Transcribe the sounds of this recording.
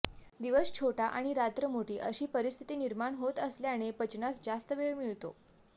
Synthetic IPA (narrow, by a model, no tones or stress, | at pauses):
d̪iʋəst͡ɕʰoʈaʔaɽ̃iɾat̪ɾəmoʈiːʔəɕiːpəɾist̪ʰi̥t̪iːniɾmaɳɦot̪əsljañepət͡ɕnasd͡zast̪əʋeɭmiɭt̪o̰